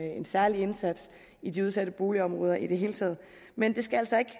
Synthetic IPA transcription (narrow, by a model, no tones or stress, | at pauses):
ensæɐlie̝nsæd̥s | id̥iuð̞ˠsæd̥əb̥o̝ːliɒ̽mʁɔ̽ːð̞ˠɐʔid̥e̝ɦe̝ːlət͡sʰɛ̰ːð̩̰ˠ | mend̥e̝sɡ̥ææl̰sɒ̽e̝ɡ̥